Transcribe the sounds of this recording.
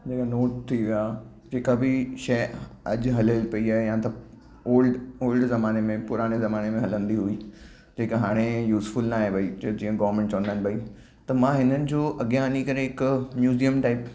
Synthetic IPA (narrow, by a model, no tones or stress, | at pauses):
d͡ʑeːkanoːʈ̚t̪ʰiʋija | d͡ʑeːkabɪʃɐjɐd͡ʑɦɐləlpɐiaːɦejãːt̪ɐ | oːlɖoːlɖzɐmaːnemẽpʊɾaːɽ̃ezɐmaːnemẽɦɐlə̃nd̪iɦui | d͡ʑeːkiɦaːɽ̃ejuːsfʊlnaːɦẽbɐid͡ʑd͡ʑĩːə̃ɡɐːʋəɾmẽɳʈt͡ɕɐʋə̃nd̪aːnɪbɐi | t̪ɐmãːɦɪnənɪ̆d͡ʑoːʔɐɡijãɦɐnikɐɾeɦɪkmjuːzijəmʈaːɪp